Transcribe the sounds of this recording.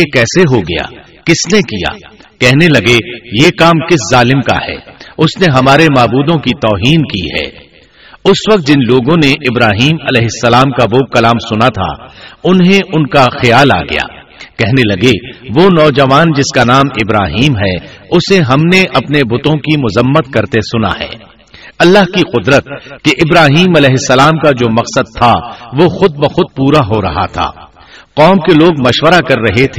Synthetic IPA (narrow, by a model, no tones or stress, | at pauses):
ekɛːseɦoɡɐ̰ja̰ː | kɪsnekija̰ː | kɛɦnelɐɡejeːkaːmkɪszaːlɪmka̰hɛ̰ːʊsneɦɐmaːɾemaːbuːd̪õkit̪ɔːɦiːnkiɦɛ̰ː | ʊsʋɐk̚t̪̚d͡ʒɪnloːɡõneʔɪbɾaːɦiːmɐlɛːɦɪsːɐlaːmkaʋokɐlaːmsʊnat̪ʰa̰ʊnɦẽʔʊnkaxɐjaːla̰ːɡɐ̰ja̰ː | kɛɦnelɐɡeʋonɔːd͡ʒɐʋaːnd͡ʒɪskanaːmɪbɾaːɦiːmɦɛʊseɦɐmneʔɐpnebʊt̪õkimʊzəmːət̪kɐɾt̪esʊna̰ɦɛ̰ː | ɐlːaːɦkiqʊd̪ɾət̪̚keʔɪbɾaːɦiːmɐlɛːɦɪsːɐlaːmkad͡ʒoːmɐqsəd̪̚t̪ʰaʋoxʊd̪̚bɐxʊd̪̚puːɾaɦoɾɐ̰ɦa̰t̪ʰa̰ː | qɔːmkeloːɡmɐʃʋəɾakɐɾːɐɦet̪ʰeː